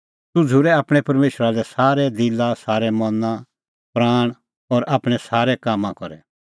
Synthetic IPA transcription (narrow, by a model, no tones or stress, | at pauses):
tʊd͡zʱuɾɛaːpɽ̃ɛpɐɾmeːʃɾalɛsaːɾɛd̪ɪlasaːɾɛmɔnã | pɾaːɽ̃ | ɔɾaːpɽ̃ɛsaːɾɛkaːmːãkɔɾɛ